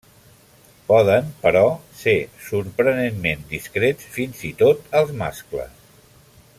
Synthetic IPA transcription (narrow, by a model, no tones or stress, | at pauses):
pɔðəmpəɾɔsesuɾpɾənenmend̪iskɾet͡sfinzit̪ot̪əlˠzma̰sklə̰s